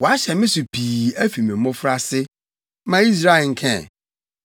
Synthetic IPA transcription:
wɔ˨a˦ɕɛ˨mɪ̃˦sʊ˨pʰiː˨æ˦fi˨mɪ̃˨˦mʊ̃˦fɾa˦sɪ˦ | mã˦i˦s̬ɾa˦ɪ˨ŋ̩˨kʰɛ̰̃˦˨

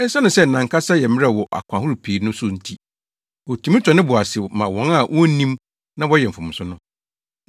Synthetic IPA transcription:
ɛ˦sa˦nʊ̃˨sɛ˦n̩˨nã˨ŋka˦sa˦jɛ˨mɪ̃˦ɛ˦˨wɔ˨ʔa̰˨kʷʰã˨hʊ˦ɾu˨pʰeː˨˦nʊ̃˦sʊ˦n̩˨tʰi˦ | wɔ˨tʰũ˨˦mĩ˦tʰɔ˨nɪ̃˦bʊ˨a˨sɪ˨mã˨wɔ̃˨˦na˦˨wʔɔ̃˦nĩ˦m | nã˦wɔ˦jɛ˨m̩˨fʊ̃˨m̃˨sʊ˦nʊ̃˦

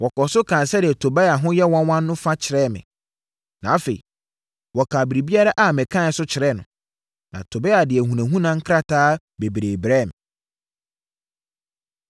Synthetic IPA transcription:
wɔ˨kɔ˨sʊ˦kʰã˨nsɛ˦dɪ˨ɛ˨tʰo˨bɛ˦a˨ɦʊ̃˦jɛ˦wɔ̃˦nwɔ̃˦nː˦ʊ̃˦fa˦t͡ɕʰɪ˨ɾɛ˦˨mɪ̰̃˨ | nã˨a˦fe˨i˨ | wɔ˨kʰa˨bi˨ɾi˨bi˦a˦ɾa˦ʔa˦˨mɛ̃˨kʰã˦˨˦sʊ˦t͡ɕʰɪ˨ɾɛ˦˨nʊ̰̃˨ | nã̰˨tʰo˨bɛ˦a˨dɪ˨ɛ˨hũ˨næ̃˨ɦũ˦nã˦ŋ̩˦kʰɾa˦tʰaː˦ | be˨bɾe˨bɾɛ˦˨m˨

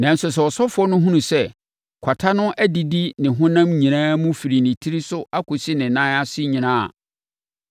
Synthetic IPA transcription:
nã˨n̩˦sʊ˨s̬ɛ˨ɔ˨sɔ˦fʊ˨ɔ˦nʊ̃˦ɦũ˦nũ˨sɛ˦˨ | kʷʰa˨tʰa˦nʊ̃˦ʔæ˦di˨di˦nɪ̃˨ɦʊ̃˦nã˦mɲĩ˨nãː˦mʊ̃˦fi˨ɾi˨nɪ̃˨tʰi˦ɾi˦sʊ˦ʔa˦kʰʊ˨si˦nɪ̃˨nã˦a˦sɪ˦ɲĩ˨nãː˦a̰˨

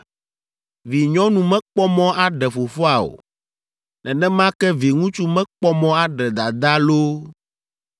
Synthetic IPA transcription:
vi˨ɲɔ̃˦nũ˨mɛ̃˦k͡pɔ˦mɔ̃˦ʔa˦ɖɛ˨fo˨fɔ˦a˨o̰˨ | nɛ˨nɛ̃˦mã˦kɛ˦vi˨ŋũ˦t͡ʃu˦mɛ̃˦k͡pɔ˦mɔ̃˦a˦ɖɛ˨d̪a˨d̪a˦lo˦

